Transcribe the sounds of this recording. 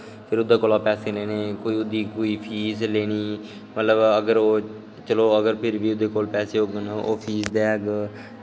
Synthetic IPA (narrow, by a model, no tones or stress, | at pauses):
pʰɪɾʊd̪aːkoːlaːpɛːseːleːneːkoːiːʊd̪iːkoːiːpʰiːsleːñiː | mət̪ləbəɡəɾoː | t͡ʃəloːəɡəɾpʰɪɾʋiːʊd̪eːkoːlpɛːseːɦoːɡəno̰ːpʰiːsd̪ɛːɡ